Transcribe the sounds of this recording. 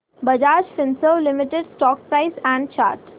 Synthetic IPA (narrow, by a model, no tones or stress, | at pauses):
bəd͡ʒaːd͡ʒfɪ̃nsəʋlɪmɪʈeɖsʈɔːk̚pɾaɪsæ̃ɳɖt͡ʃa̰ːɾʈ